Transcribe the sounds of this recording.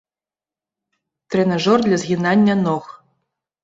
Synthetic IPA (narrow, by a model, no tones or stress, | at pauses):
t̪rʲenaʐord̪lʲazɣʲinɑnʲːə̆noχ